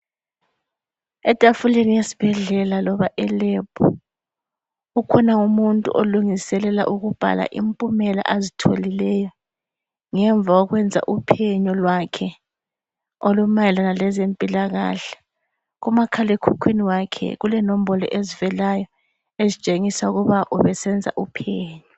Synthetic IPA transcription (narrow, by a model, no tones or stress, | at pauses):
ɛtʼafulenijesi̥b̥ʱɛɮɛlalɔβaʔɛlɛpʰʼɔ̰ | ukʰɔnaumuntʼṵʔoluŋisɛlɛla̰ʔuɣub̥ʱa̰la̰ʔimpʼumɛla̰ʔazitʰolilɛjɔ | ŋɛɱvaɔɣwɛnd͡zʱa̰ʔupʰɛɲɔlwakʰɛ | olumajɛlanalɛzempʼilaɣa̰ɬɛ̥ | ɣumakʰalekʰukʰwiniwakʰɛ̰ɣulɛnom̩bɔlɔ̰ʔezivɛlajɔ | ezit͡ʃʼeŋisauɣuβaʔuβɛsɛnd͡zʱa̰ʔupʰɛːɲɔ